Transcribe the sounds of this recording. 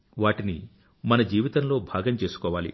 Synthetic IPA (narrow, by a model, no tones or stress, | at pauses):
ʋaːʈini | mɐnɐd͡ʒiːʋit̪ɐnlo̞ːbʱaːɡɐmt͡ʃe̞ːsu̥kɔːʋaːlḭ